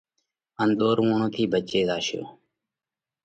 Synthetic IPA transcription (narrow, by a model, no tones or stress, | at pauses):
ənd̪oːɾuːɳõːt̪ʰiːbʱət͡ʃeːzaːʃjo̰ː